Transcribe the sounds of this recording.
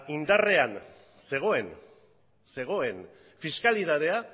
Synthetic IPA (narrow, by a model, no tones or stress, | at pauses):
ind̪are̞an | se̞ɣ̞o̞e̞n | se̞ɣ̞o̞e̞n | fiskaliðaðe̞a